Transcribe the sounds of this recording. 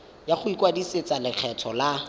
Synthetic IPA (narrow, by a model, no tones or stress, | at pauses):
jaχʊikʼwadiset͡salɪk͡xʰɛtʰɔla